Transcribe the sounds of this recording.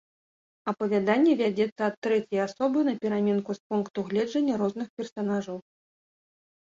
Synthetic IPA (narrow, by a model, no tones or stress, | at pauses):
ɐpɐvʲad̪anʲːɛvʲad͡zʲɛt̪sːɐːt̪ːɾɛt͡sʲɛjasɔbɨnɐpʲɛɾamʲɛnkuspunkt̪uɣlʲɛd͡ʐɐnʲːɐɾɔznɨxpʲɛrsanaʐɐw